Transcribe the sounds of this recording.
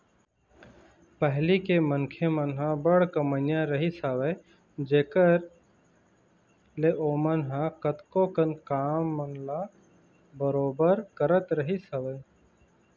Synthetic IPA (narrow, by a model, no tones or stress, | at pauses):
pəɦlikemənkʰemənɦãbəɽkəmənjãɾəɦisaʋeː | d͡ʒeːkəɾ | leʔoːmənɦãkət̪kokənkaːmːənla | bəɾoːbəɾkəɾət̪ɾəɦisəʋeː